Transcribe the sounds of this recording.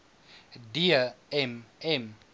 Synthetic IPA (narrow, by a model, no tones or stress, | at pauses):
diaɛmɛm